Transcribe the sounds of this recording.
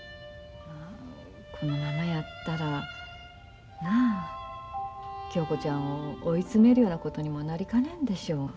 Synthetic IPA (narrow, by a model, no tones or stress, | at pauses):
aː | kʰo̞no̞mamajat̪ːaɾa | na | kʲo̞ːko̞t͡ɕãɰ̃oːit͡sɨme̞ɾɯ̟jo̞ːnako̞t̪o̞ɲ̟imo̞naɾʲikanẽ̞nd̪e̞ɕo̞ː